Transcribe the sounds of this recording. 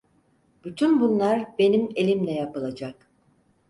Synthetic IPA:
b̥yt̪ʰynbunlˠaɾbe̞nime̞lʲimlʲɛjapɯlˠad͡ʒak

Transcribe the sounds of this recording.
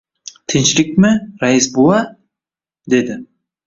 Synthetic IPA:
t̪ʰɪnt͡ʃlɪk̚ʲmɪɾaɪsbolˠa | d̪e̞d̪ɪ

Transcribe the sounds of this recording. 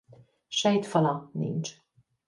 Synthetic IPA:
ʃɛjt̪fɒlɒnḭnt͡ʃ

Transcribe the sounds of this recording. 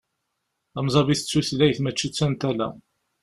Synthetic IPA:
æmzˤɑviθət͡sːuθlæjθmət͡ʃːit͡sːænt̪ælæ̰

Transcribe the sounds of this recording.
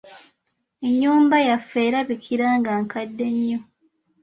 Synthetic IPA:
eɲːuːmbajafːe̞ːɾaβikʰiɾaːŋɡaːŋkadːe̞ɲːo

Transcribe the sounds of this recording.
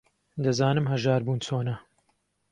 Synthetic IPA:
d̪ɐzaːnɨmɦɐʒaːɾbuːnt͡sʰoːnɐ

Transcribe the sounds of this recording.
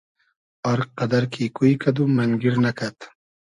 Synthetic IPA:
aɾqad̪aɾkʰikujkʰad̪umaŋɡiɾnakat̪

